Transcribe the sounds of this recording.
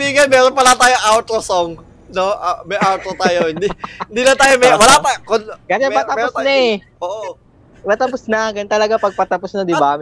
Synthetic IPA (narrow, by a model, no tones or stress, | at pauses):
iŋɐnmɛːɾonpɐlat̪aːjoŋʔawt̪ɾosoŋ | noʔamɐjʔawt̪ɾot̪aːjoɪnd̪iɪnd̪iːnɐt̪aːjomɛwɐlapɐkonkɐsɛmɐt̪ɐɛsnɐɛʔoːʔo | mɐt̪ɐpʊsnɐɡɐnt̪ɐlɐɡapɐɡ̚pɐt̪ɐposnɐd̪ɪbam